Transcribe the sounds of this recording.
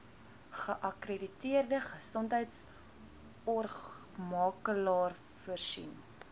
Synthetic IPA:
χəʔɐkreditiərdəχəsɔntɦəjts | ɔrmɑːkəlɑːr | fərsḭnp

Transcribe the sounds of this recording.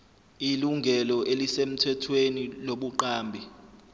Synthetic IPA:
iluŋɡʱɛlɔʔelisem̩tʰɛtʰweniloɓuǃaːmbʱi

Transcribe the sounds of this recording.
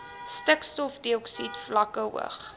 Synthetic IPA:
stəkstɔfdiɔksitflɐkəṵə̰χ

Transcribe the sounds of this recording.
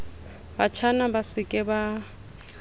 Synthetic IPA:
bat͡ʃʰanabasɪkʼɪba

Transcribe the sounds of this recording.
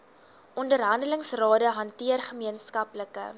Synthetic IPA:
ʔɔndərɦɐndələŋsrɑːdəɦɐntiərχəmiənskɐpləkə̰

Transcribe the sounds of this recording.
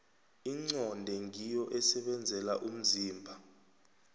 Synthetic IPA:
iŋ͡ǀɔndʱɛŋijɔʔɛsɛɓɛnd͡zʱɛlaʔum̩ziːmbʱa

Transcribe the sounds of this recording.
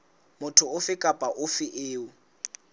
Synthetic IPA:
mʊtʰʊʊfɪkʼapʼaʔʊfɪʔeːʊ

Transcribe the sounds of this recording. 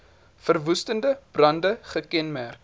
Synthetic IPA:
fərvustəndəb̥rɐndəχəkɛnmærk

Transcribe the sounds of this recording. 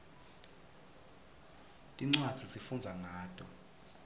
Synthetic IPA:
tʼiŋ͡ǀwad̥d͡z̥ʱisifund͡zʱaŋaːtʼɔ

